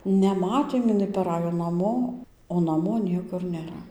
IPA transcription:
nʲɛˈmɑːtʲeːm ɪˈnɐɪ pɐˈrɑːjoː nɐˈmoː oː nɐˈmoː ˈnʲiɛkʊr nʲeːˈrɐ

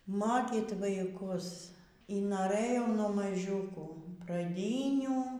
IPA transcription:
ˈmoːkʲiːt ʋɐɪˈkʊs iː noːˈrɘjɛʊ nuɔ mɐˈʒʲuːkuː prɐˈdʲiːnʲuː

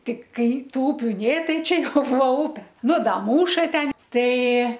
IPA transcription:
ˈtʲɪk ˈkɐɪ ˈtuː ˈʊpʲʊ ˈnʲeː ˈtɐɪ ˈt͡ʃʲɛ ˈjɛʊ ˈbuːʋɐ ˈʊpʲɛ ˈnʊ ˈdɐ ˈmuːʃɐ ˈtʲɛn ˈtɐɪ

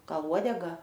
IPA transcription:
ˈɡɐlˠ ˈuɔdʲɛɡɐ

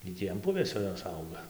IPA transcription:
ɡʲɪ ˈtʲiː ɐn ˈpʊʋʲeːsʲoː ˈjoːs ˈɐʊɡɐ

